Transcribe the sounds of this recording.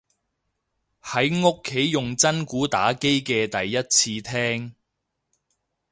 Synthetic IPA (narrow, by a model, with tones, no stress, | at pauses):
hɐ˨˥jŋʊ˥kʰːe˨˥jːʊ˨ŋt͡sɐ˥nkuː˨˥t̪a̰ː˨˥ke˥jkɛː˧t̪ɐ˨jːɐ˥t̚t͡sʰiː˧t̪ʰɛː˥ŋ